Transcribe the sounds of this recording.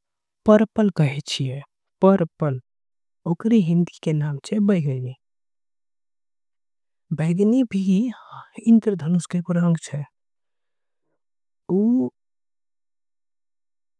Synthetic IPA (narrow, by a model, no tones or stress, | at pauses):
pəɾpəlkəɦet͡ʃʰiɛ | pəɾpəl | oːkɾiɦɪ̃nd̪ikenaːmt͡ʃʰebəɡəje | bɛːɡnibʱi | ɪnt̪ɾəd̪ʱənuskepʊɾãːŋɡt͡ʃʰɛ | uː